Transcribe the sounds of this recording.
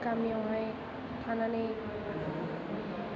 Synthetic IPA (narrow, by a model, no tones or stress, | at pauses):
kamiawɦãj | kʰanane